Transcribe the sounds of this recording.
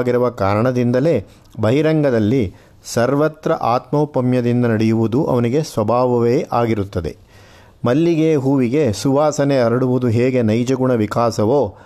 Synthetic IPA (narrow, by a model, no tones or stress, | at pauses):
ɡiɾuʋɐkaːɾɐɳɐd̪ind̪ɐle̞ː | bʱɐɦiɾɐŋɡɐd̪ɐlːi | sɐɾʋɐt̪ɾɐʔaːt̪mɐupɐmjɐd̪ind̪ɐnɐɽɛjuʋud̪uʔɐ̰ʋɐniɡesʋɐbʱaːʋɐʋeːʔaːɡiɾut̪ːɐd̪e̞̰ | mɐlːiɡeːɦuːʋiɡe̞suʋaːsɐneɐɾɐɽuʋud̪uɦeːɡe̞nɐjd͡ʒɐɡuɳɐʋikaːsɐʋoː